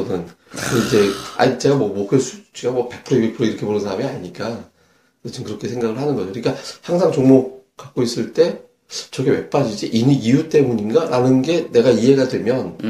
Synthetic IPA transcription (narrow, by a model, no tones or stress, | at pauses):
nɯn | id͡ʑe̞a̰it͡ɕ͈eɡamwʌmwʌkɯɭs͈ʰut͡ɕ͈ʰiɡamwʌpepʰɯɾoibepʰɯɾoiɾʌkʰe̞ponɯnsʰaɾamiaɲiɲik͈a | ɯt͡ɕʰimkɯɾʌkʰe̞sʰe̞ŋɡaɣɯɭhanɯnɡʌd͡ʑokɯik͈ahaŋsʰaŋt͡ɕoŋmo | kak̚k͈ois͈ɯɭt͈e̞ | t͡ɕʌɡe̞we̞p͈ad͡ʑid͡ʑiʔiniijut͈e̞muɲiŋɡaɾʔanɯnɡe̞ne̞ɡaiɦe̞ɡadwe̞mjʌn